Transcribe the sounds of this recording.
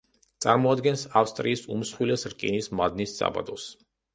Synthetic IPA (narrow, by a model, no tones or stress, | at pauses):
t̪sʼaɾmɔad̪ɡɛnsafst̪ʼɾiːsumsχwilɛsɾkʼinismad̪nissʼa̰ba̰d̪ɔs